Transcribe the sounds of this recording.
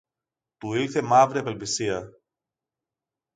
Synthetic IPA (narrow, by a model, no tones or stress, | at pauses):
t̪uiɾθe̞mɐvɾiɐpelpisiɐ